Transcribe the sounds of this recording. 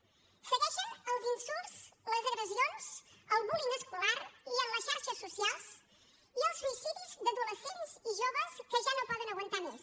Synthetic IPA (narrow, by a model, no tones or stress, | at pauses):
səɣɛʃənəlˠzinsulzləzəɣɾəzionz̥əlˠβulinəskulaɾiəmləsʃaɾʃəsːusialˠs | iəlˠzmunisipizd̪əðuləsenziʒoβəskəʒanopɔðənəɣwənt̪amɛs